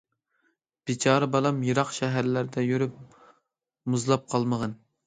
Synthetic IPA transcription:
b̥it͡ʃʰɑːɾɨbɑlˠɑmjɨɾɑqʃɛɦæɾlæɾd̪ɛjyɾyp̚ | muzlˠɑp̚qʰɑlˠməʁɑn

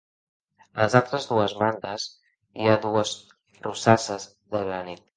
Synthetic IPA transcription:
ələzalˠt̪ɾəzðuəzmand̪əz | iaðuəs | rusasəz | ðəβelənit̪̚

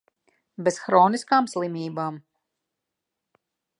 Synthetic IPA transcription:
bɛsxɾɔːniskaːmslˠimiːbaːm

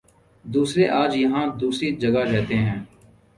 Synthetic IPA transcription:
d̪uːsɾeʔaːd͡ʒjɐɦãːd̪uːsɾid͡ʒɐɡaɾɛɦt̪eɦɛ̃ː

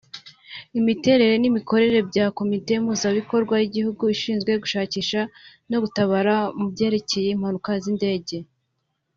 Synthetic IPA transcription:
imite̞ɾe̞ɾe̞niβiko̞ɾe̞ɾe̞bɟaːko̞mite̞im̥huzaβiko̞ɾɡwajiɟihuɡuiʃiːnzɡwe̞ɡuʃaːciːʃa | no̞ɡutaβaɾamubɟe̞ːɾe̞ce̞je̞im̥hanukazinde̞ːɟe̞

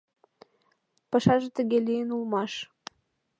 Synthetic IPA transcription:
pɑʃɑʒĕt̪ə̆ɣelijənulmɑʃ

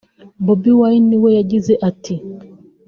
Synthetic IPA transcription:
bɔbiwainiwɛjad͡ʒiziʔatʰi

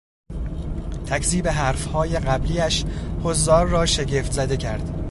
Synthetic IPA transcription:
t̪ʰækʰziːbe̞ɦæːɾfhɒːje̞ɢæbliːæʃhozːɒːɾːɒːʃe̞ɟe̞ːft̪zæd̪e̞cʰæɾd̪̥

